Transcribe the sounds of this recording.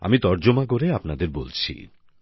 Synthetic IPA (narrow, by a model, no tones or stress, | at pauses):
a̰mit̪ɔɾd͡ʑomaɡoɾeapnad̪eɾbo̰lt͡ɕʰḭ